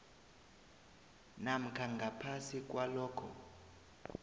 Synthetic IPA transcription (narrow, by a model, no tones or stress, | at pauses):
nam̩kʰaŋɡʱapʰasik̬ʼwalɔːkʰɔ